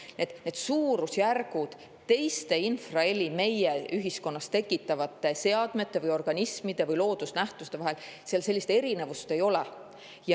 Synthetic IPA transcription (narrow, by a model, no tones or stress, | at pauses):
ned̪ne̞d̪̥suːɾusjærɡ̥ud̪̥ | t̪e̞jst̪e̞infrɑe̞lʲime̞jeyɦisko̞nːɑst̪e̞kːˑit̪ːˑɑvɑt̪ːˑe̞se̞ɑd̪̥me̞t̪ːˑe̞vɯjo̞rɡ̥ɑnismid̪̥e̞vɯjlo̞ːd̪usnæht̪ust̪e̞vɑɦe̞lseɑlse̞lʲːist̪ee̞ɾine̞vust̪e̞jo̞le | jɑ